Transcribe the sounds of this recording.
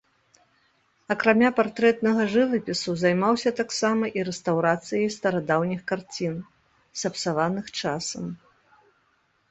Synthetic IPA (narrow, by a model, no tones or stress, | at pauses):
ɐkɾamʲapart̪ɾɛt̪nɐɣɐʐɨvɐpʲisuzajmawsʲɐt̪aksamɐʔiɾɛst̪awɾat̪sɨjɐjst̪ɐɾad̪awnʲixkart͡sʲin | sɐpsavanɨxt͡ʂasɐm